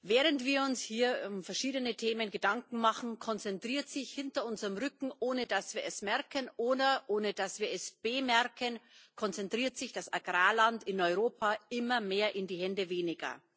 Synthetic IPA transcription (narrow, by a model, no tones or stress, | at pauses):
vɛːʁəntv̥iːɐʊnshiːɐʊmfɛɐʃiːdənətʰeːmənɡədaŋkŋ̩maχn̩kʰɔnt͡sɛntʁ̥iːɐtz̥ɪçhɪntɐʊnzəʁəmʁʏkŋ̩ʔoːnədasv̥iːɐɛsmɛɐkʰənʔoːdɐʔoːnədasv̥iːɐɛsb̥emɛɐkʰənkʰɔnt͡sɛntʁ̥iːɐtz̥ɪçd̥asa̰ɡʁaːlantɪnɔʏʁoːpʰaʔɪmɐmeːɐʔɪndiːhɛndəveːnɪɡɐ̰